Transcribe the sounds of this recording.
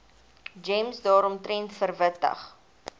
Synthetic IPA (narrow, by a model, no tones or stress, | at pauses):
d͡ʒɛmsdɑːɾɔmtrɛntfərvətə̰χ